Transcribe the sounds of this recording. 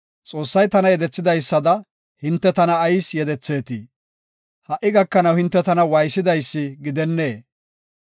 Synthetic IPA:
t͡sʼo̞ːsːɐjt̪ɐnɐjɛd̪ɛt͡sːɪd̪ɐjsːɐd̪ɐ | hɪnt̪ːɛt̪ɐnɐːjsjɛd̪ɛt͡sːe̞ːt̪i | hɐʔɪɡɐkːɐnɐwhɪnt̪ːɛt̪ɐnɐwɐjsɪd̪ɐjsːɪɡɪd̪ɛnːeː

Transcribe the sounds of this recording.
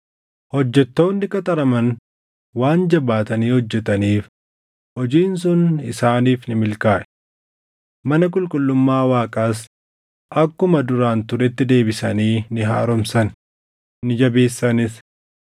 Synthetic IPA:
hɔd͡ʒːɛt̪ːo̞ːnːɪkɐt̪ʼɐɾɐmɐn | waːnd͡ʒɐbaːt̪ɐniːhɔd͡ʒːɛt̪ɐniːf | hɔd͡ʒiːns̬ʊnɪsaːniːfnɪmɪlkaːʔɛ̥ | mɐnɐk̬ʼʊlkʼʊlːʊmːaːwaːkʼaːs̬ | ʔɐkːʊmɐd̪ʊɾaːnt̪ʊɾɛt̪ːɪd̪e̞ːbɪsɐniːnɪɦa̰ːɾɔmsɐn | nɪd͡ʒɐbe̞ːsːɐnɪs

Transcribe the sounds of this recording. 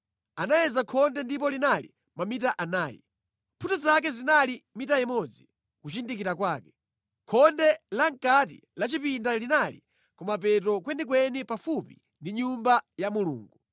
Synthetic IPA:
anajɛzakʰɔndɛndip̬ɔlinalḭ | mamitaʔanaːjḭ | pʰutɔzak̬ɛzinalimitajɛmɔd͡zi | kut͡ʃindikiɾakwaːkɛ̥ | kʰɔndɛlaŋkat̬ḭlat͡ʃipindalinalḭ | kɔmapɛtɔkwɛnik̬wɛnipafupḭ | ndiɲumbajamulṵːŋɡu

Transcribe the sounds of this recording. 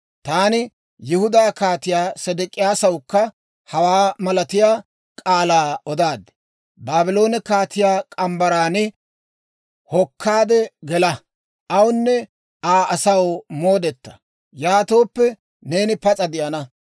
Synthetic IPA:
t̪aːnɪ | jɪhʊd̪aːkaːt̪ɪjaːsɛd̪ɪkʼɪjaːsɐwkːɐ | hɐwaːmɐlɐt̪ɪjaː | kʼaːlaːɔd̪aːd̪ɛ̥ | baːbɪlo̞ːnɛkaːt̪ɪjaːkʼɐmbɐɾaːnɪ | hɔkʰːaːd̪ɛɡɛlɐ | ɐwnːɛ | aːʔɐsɐwmo̞ːd̪ɛt̪ːɐ̥ | jaːt̪o̞ːpːɛ | ne̞ːnɪpɐt͡sʼɐd̪ɪʔɐnɐ

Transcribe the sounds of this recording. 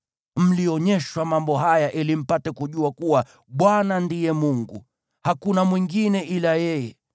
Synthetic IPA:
m̩liɔɲɛʃwamambɔɦajaʔilim̩patɛkuʄuakuwa | ɓwanandijɛmuŋɡṵ | hakunamwiŋɡinɛʔilajɛjɛ

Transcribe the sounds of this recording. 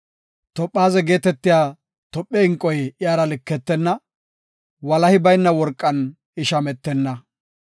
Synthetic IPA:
t̪ɔpʼːaːzɛɡe̞ːt̪ɛt̪ːɪjaː | t̪ɔpʼːɛɪŋkʼːɔjɪjaːɾɐlɪkːɛt̪ːɛnːɐ | wɐlɐhɪbɐjnːɐwɔɾkʼːɐn | ɪʃɐmɛt̪ːɛnːɐ

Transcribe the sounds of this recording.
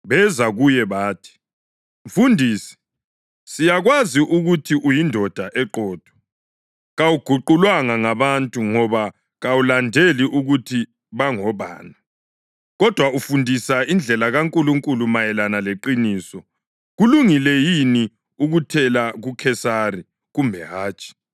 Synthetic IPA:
βɛzaɣujɛβaːtʰi̥ | mfundʱiːsi̥ | sijaɣwaziʔuɣutʰiʔujindʱɔd̥ʱaʔɛǃʱɔːd̥ʱɔ̥ | ɣawuɡ̥ʱuǃulwaŋaŋaβantʼuŋɔβa | ɣawulandʱeliʔuɣutʰi | βaŋɔβa̰ːna | ɣɔd̥ʱwaufundʱisaind͡ɮʱɛlaɣaŋkʼuluŋkʼulumajɛlanaleǃiniːsɔ | ɣuluŋilɛjini | uɣutʰɛlaɣukʰɛsari | ɣumbʱɛɦaːt͡ʃʰʼi̥

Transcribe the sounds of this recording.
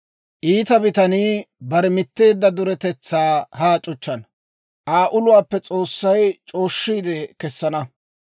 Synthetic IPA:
ʔiːt̪ɐbɪt̪ɐniːbɐɾɛmɪt̪ːe̞ːd̪ːɐd̪ʊɾɛt̪ɛt͡sːaːhaːt͡ʃʼʊt͡ʃːɐn | ʔaːʔʊlʊwaːpːɛt͡sʼo̞ːsːɐjt͡ʃʼo̞ːʃːiːd̪ɛkɛsːɐnɐ

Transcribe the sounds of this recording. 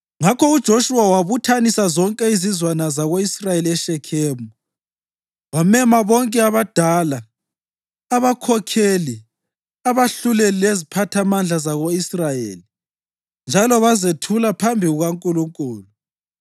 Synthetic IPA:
ŋakʰɔud̥ʒ̥ʱoʃuwawaβutʰanisazɔŋkʼɛizizwanazaɣoisrajeliɛʃɛkʰeːmuu | wamɛmaβɔŋkʼɛaβad̥ʱalaː | βakʰɔkʰeli | aβaɬulɛlilezipʰatʰamand͡ɮʱazaɣoisrajḛːli | nd͡ʒʱalɔβazetʰulapʰambʱiɣuɣaŋkʼuluŋkʼuːlɔ

